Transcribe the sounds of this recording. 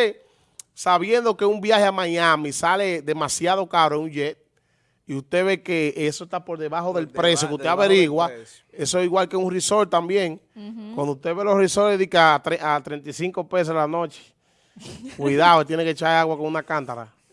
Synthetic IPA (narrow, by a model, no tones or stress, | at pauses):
e | saβje̞nd̪o̞ke̞umbjaheamãɲãmisale̞ðe̞masjaðo̞kaɾoeŋuɲd͡ʒet̪̚ | iust̪e̞βe̞keesost̪apo̞ɾðeβaɦo̞ðe̞lptpɾe̞sjokeuht̪eaβeɾiɣwa | esoiɣwalkeuŋriso̞lt̪ambjeŋkwand̪ouht̪eβelo̞sriso̞leðikat̪ɾeʔat̪ɾe̞nt̪isiŋko̞pe̞s̬elanõt͡ʃe̥ | kwiðaoet̪jeneket͡ʃaeaɣwakoŋunakant̪aɾa̰